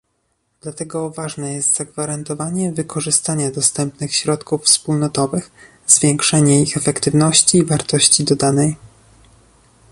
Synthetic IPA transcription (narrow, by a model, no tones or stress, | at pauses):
d̪̥lat̪ɛɡɔvaʐnɛjɛst̪z̥aɡvaɾant̪ɔvaɲɛvɘkʰɔʐɘst̪aɲad̪ɔst̪ɛmpnɘxɕɾɔt̪kuffspulnɔt̪ɔvɘx | zvʲjɛŋkʂɛɲɛixɛfɛkt̪ɘvnɔɕt͡ɕiːvaɾt̪ɔɕt͡ɕid̪ɔd̪anɛj